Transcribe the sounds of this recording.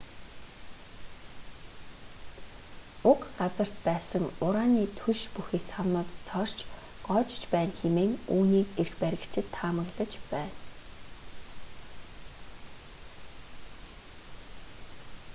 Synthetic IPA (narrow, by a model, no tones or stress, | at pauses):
ʊkɢat͡sə̆r̥t̪pæːsə̆ŋʊɾaːniːt̪ʰuʃpuxeːsχawnʊːt̪t͡sʰɔr̥t͡ɕ | ɢ̥ɔːt͡ɕɪ̥̆t͡ɕpæːnxemeːŋuːniːkerxpæɾʲɪ̆kt͡ɕʰɪ̆t̪ʰːaːmə̆ɣɮə̆t͡ɕpæːn